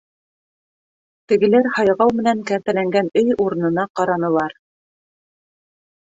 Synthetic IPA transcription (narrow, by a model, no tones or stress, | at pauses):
t̪ɘ̆ɡɘ̆læɾhɑjʁɑwmɘ̆næŋkæɾt̪ælæŋɡænɵjuɾɤ̆nɤ̆nɑqɑɾɑnɤ̆lˠɑɾ